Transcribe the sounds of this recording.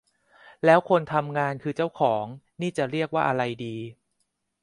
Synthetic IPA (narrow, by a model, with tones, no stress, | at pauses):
lɛː˦˥wkʰo˧nt̪ʰa˧mŋaː˧nkʰɯː˧t͡ɕa˥˩wkʰɔː˩˦ŋ | niː˥˩t͡ɕa˨˩ɾi˥˩ək̚waː˥˩ʔa˧ɾa˧jdiː˧